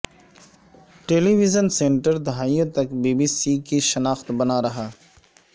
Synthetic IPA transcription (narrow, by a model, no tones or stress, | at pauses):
ʈeːliʋizənsẽːɳʈəɾd̪aːijõːt̪ɐkbeːbisiːkiʃɐnaːxt̪bɐnaːɾɐɦaː